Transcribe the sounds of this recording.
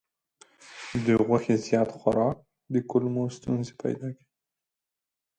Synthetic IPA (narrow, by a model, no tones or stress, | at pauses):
d̪əɣwaxezjɑt̪xwaɾɑk̚ | d̪əkʊlmost̪unzepa̰jd̪ɑki̥